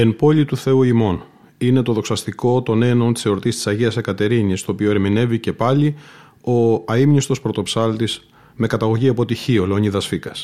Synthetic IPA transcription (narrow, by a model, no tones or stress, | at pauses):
empo̞lit̪uθe̞uimo̞n | ine̞t̪o̞ðo̞ksɐst̪iko̞t̪o̞ne̞no̞nt̪i̥seoɾot̪ist̪i̥sɐʝiɐsekɐt̪e̞ɾiɲist̪o̞ːpio̞eɾmine̞vice̞pɐli | o̞ɐimnist̪o̞spɾo̞t̪o̞psɐlt̪is | me̞kɐt̪ɐɣo̞ʝiɐpo̞t̪içio̞leo̞niðɐsfikɐs